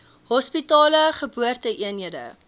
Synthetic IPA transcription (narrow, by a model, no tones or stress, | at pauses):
ɦɔspitɑːləχəbuərtəʔiənɦiədə̰